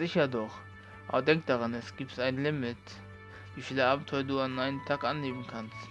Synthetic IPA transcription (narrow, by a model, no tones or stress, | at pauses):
z̥ɪçɐdɔχ | ʔa̰bɐdɛŋk̚d̥aʁanɛsɡ̥iːp̚tʔaɪnlɪmɪt | viːfiːləʔaːbm̩tʰɔʏɐduːanʔaɪnəmtʰaːkʔanleːbm̩kʰanst